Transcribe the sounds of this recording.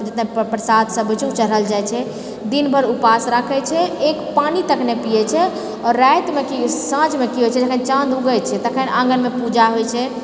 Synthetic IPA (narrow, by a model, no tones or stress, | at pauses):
d͡ʒət̪ɛɦpɾəsad̪səbʱt͡ʃʰut͡ʃəɾəld͡ʒajt͡ʃʰɛ | d̪inbʱəɾupasɾakʰɛt͡ʃʰɛekpanit̪əkʰnepijɛt͡ʃʰɛ | ɔɾːajt̪mekisãd͡ʒmekiɦojt͡ʃʰɛd͡ʒəkʰənt͡ʃãd̪ʱuɡət͡ʃʰɛt̪əkʰənãŋɡənmepud͡ʒaɦojt͡ʃʰɛ